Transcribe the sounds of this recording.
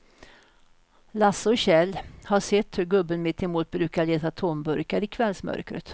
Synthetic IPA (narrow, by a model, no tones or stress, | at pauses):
lasːɔɕɛlːhaʂɛt̪ːhɵɾɡɵbːənmɪt̪ʰːɛmuːt̪̚bɾʉ̟ːkaɭeːt̪at̪ʰombɵɾkaɾɪkʰvɛlsmœ̰ɾkɾə̰t̪